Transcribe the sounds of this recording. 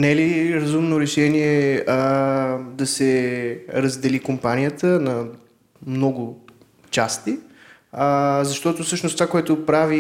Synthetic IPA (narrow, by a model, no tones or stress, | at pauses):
nɛliɾɐzumnoɾɛʃɛniɛə | d̪ɐsɛ | ɾəzd̪ɛlikompanʲijət̪ənɐ | mnɔɡʊ | t͡ʃast̪i | əzɐʃt̪ɔt̪ofsɤʃnost̪vakoɛt̪ʊpɾavi